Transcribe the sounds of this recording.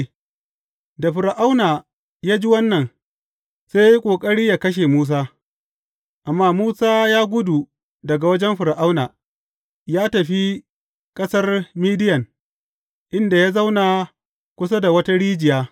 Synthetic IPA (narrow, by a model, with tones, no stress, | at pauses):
da˨ɸɪ˨ɾa˨ʔa˦wnaː˨ | jaː˦d͡ʒi˦wɐ˦nːɐ˨n | seː˦ja˦i˦kʷʼoː˨kʼɐ˦ɽiː˦jaː˦kɐ˦ʃ̬eː˨muː˦s̬aː˦ | ʔa˨mːaː˦muː˦saː˦jaː˦ɡʷʊ˦du˨ | dɐ˨ɡa˨wɐ˦d͡ʒɛ˦mɸɪ˨ɾa˨ʔa˦wnaː˨ | jaː˦tɐ˨ɸi˦ | kʼɐ˦sɐ˦rmiː˦dɪ˦jɐ˨ŋ | ʔɪ˦nda˨jaː˦za˦wna˨ | kʷʊ˦sa˦da˨wɐ˦ta˦ɽiː˦d͡ʒɪ˨jaː˦